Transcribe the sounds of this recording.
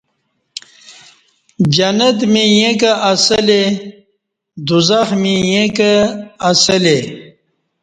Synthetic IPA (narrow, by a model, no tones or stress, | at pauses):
d͡ʑɐnɐt̪mijẽk̬ɐʔɐsɐle | d̪uzaxmijekɐːsɐle